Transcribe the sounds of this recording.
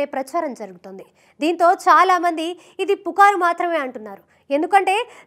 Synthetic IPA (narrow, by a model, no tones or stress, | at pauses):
e̞ːpɾɐt͡ʃaːɾɐmd͡ʒɐɾuɡut̪ond̪i | d̪iːnt̪o̞ːt͡ʃaːlaːmɐnd̪iː | d̪ipukaːɾumaːt̪ɾɐme̞ːɐɳʈunːaːɾu | e̞nd̪ukɐɳʈe̞ː